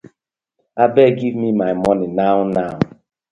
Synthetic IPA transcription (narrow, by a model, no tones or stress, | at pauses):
abɛɡivmimajmɔnɪnaʊnaʊ